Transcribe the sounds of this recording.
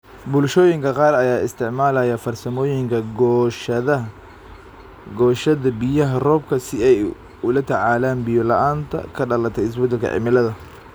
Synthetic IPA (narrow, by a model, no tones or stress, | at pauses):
bʊlʃɔːjɪŋkʰɐqɑːrɐjaːɪ̰st̪ʰɪʕmaːlɐjɐfɐrsɐmɔːjɪŋkʰɐɡɔʃɐðɐ | ɡɔːʃɐðɐbɪjɐɦɐrɔːb̚kʰɐsɪɛj | ʊlɐt̪ʰɐʕaːlaːnbɪjɔlɐʔaːnt̪ʰɐ̰kʰɐɖɐlɐt̪ʰɛjɪs̬bɛd̪ɛlkʰɐ̰ʕɪ̰mɪlɐðɐ